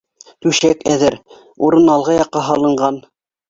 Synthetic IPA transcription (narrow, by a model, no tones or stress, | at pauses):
t̪ʉʃækæðɘɾ | uɾɤnɑlˠʁɤjɑqːɑɦɑlˠɤ̆ɴɢɑn